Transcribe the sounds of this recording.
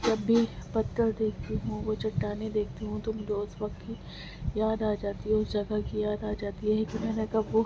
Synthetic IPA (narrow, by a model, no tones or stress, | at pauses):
d͡ʒɐbːipɐt̪ːəɾd̪eːk̚ʰt̪iɦũʋot͡ʃɐʈːaːned̪eːk̚ʰt̪iɦũt̪omʊd͡ʒʱeʊsʋɐk̚t̪ki | jaːd̪aːd͡ʒaːt̪iɦɛʊsd͡ʒɐɡakijaːd̪aːd͡ʒaːt̪iɦɛkimɛːnekɐbʋo